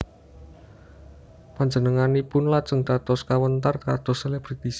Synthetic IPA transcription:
paɲd͡ʒənəŋanipʊnlat͡ʃəŋd̪̥at̪ɔskawənt̪̬arkat̪ɔseleb̥ɾit̪is

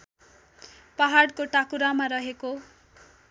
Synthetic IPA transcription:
paɦaɽkoʈakuɾamaɾʌɦeko

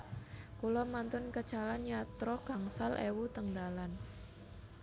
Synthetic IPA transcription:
kulɔmant̪ʊnkət͡ʃalanjat̪ɾɔkaŋsalʔḛwut̪əŋd̪alan

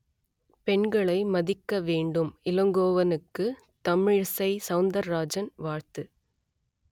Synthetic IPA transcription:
pɛɳɡɐɭɐɪmɐðɪkːɐʋeːɳɖɯmɪlɐŋɡoːʋɐnɯkːɯ | t̪ɐmɪɻsɐɪsɐʊnd̪ɐɾɾaːd͡ʒɐnʋaːɻt̪ɯ

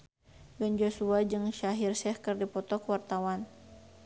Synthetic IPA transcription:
bɛnd͡ʒosuad͡ʒɨŋʃaɦirsɛhkɨrdipɔt̪ɔkwart̪awan

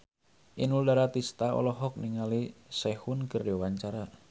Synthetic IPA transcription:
ʔinuldaɾat̪ist̪aɔ̰lɔɦɔk̚niŋalisɛhunkərd͡ʒɔwaɲt͡ʃaɾa

